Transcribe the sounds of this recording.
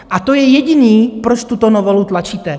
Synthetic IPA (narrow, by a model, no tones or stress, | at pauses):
ʔat̪o̞jɛjɛɟɪniːpɾot͡ʃt̪ut̪onovolut̪lat͡ʃiːt̪ɛ